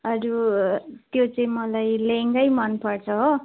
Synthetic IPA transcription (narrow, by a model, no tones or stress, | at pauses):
ʌɾu | t̪jot͡sʌĩmʌlajleŋɡʌjmʌnpʌrt͡sʰʌɦo